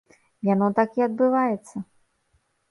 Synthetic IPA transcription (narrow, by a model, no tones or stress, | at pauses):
janɔt̪akʲiɐd̪̚bɨvajɛt̪sːɐ